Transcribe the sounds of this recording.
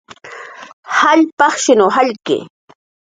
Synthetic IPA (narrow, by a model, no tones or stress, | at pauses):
haʎpɑχʃɪnoɦaʎkɪ̰